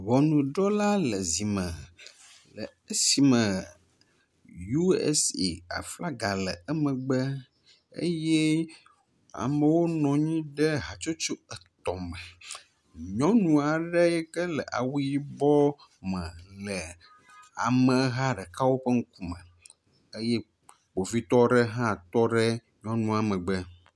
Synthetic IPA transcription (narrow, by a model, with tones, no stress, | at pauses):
vɔ˨nũ˨ɖɔ˦la˦lə˨zi˨mə̃˨ | lə̰˨ | ə˦si˨mə̃˨ | ju˦ḛ˦sḛ˨a̰˨fla˦ɡa˨lə˨ə˦mə̃˨ɡ͡bə˦ | ḛ˦jɛ˦ | a̰˨mə̃˨wo˦nɔ̃˨ɲĩ˦ɖə˦ɦa˨t͡ʃo˦t͡ʃo˦ə˨t̪ɔ˨mə̃˨ | ɲɔ̃˦nũ˨a˨ɖə˦jɛ˦kə˦lə̰˨ʔa̰˨wu˦ji˦bɔ˦mɛ̃˨lə˨ | a̰˨mə̃˨˦ɦa˦ɖɛ˨ka˦wo˦ɸə˦ŋ̩˦ku˦mə̰̃˨ | ə˦jɛ˦ | k͡po˨vi˦t̪ɔ˦ɖə˦ɦã˦˨t̪ɔ˦ɖə˦ | ɲɔ̃˦nũ˨a˨mə̃˨ɡ͡bə˦